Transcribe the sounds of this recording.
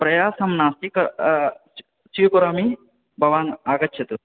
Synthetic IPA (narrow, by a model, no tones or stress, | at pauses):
pɾɐjaːsɐmnaːst̪ikɐ | sijukuɾaːmi | bʱɐʋaːnaːɡɐtːt͡ʃʰɐt̪u